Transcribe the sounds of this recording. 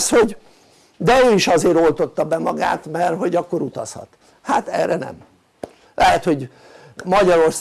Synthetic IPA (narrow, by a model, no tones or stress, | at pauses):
sho̞ɟ | d̪ɛøːiʃɒzeːɾo̞lt̪o̞t̪ːɒbɛmɒɡa̰ːt̪mɛrɦo̞ɟɒkːo̞ɾut̪ɒshɒ̰t̪ | hat̪ɛ̰ːrɛnɛ̰m | lʔɛɦɛt̪ho̞ɟ | mɒɟɒɾors